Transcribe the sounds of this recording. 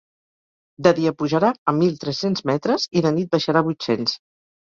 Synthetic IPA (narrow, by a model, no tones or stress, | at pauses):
d̪əðiəpuʒəɾaəmːilˠt̪ɾɛsenzmɛt̪ɾəziðənit̪̚bəʃəɾaβujt̪sens